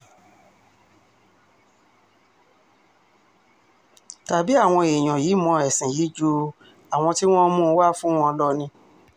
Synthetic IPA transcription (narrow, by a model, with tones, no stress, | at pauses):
ta˨bi˨˦a˦˨w̃ɔ̃˧e˨j̃ɔ̃˨ji˨˦mɔ̃˧ɛ˨sĩ˨ji˨˦d͡ʒo˧ | a˨w̃ɔ̃˧ti˦w̃ɔ̃˦mũ˦˧˦wa˦fũ˦w̃ɔ̃˧lɔ˦nĩ˧